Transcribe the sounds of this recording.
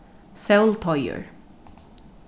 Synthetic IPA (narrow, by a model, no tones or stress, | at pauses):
sɛlt̪ʰɔjə̰ɹ